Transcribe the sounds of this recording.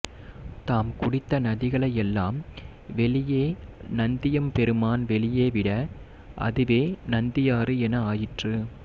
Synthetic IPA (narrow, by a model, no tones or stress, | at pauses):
t̪aːmkʊɽɪt̪ːɐnɐðɪɣɐɭɐjɛlːaːm | ʋɛɭɪjeːnɐnd̪ɪjɐmpɛɾɯmaːnʋɛɭɪjeːʋɪɽɐ | ʔɐ̰ðɯʋeːnɐnd̪ɪjaːɾɯɛnɐaːjɪʈrɯ